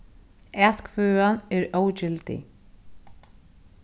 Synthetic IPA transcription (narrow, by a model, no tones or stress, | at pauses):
ɛːt̪kʰvœːanɛɾowt͡ʃɪlt̪ɪ̰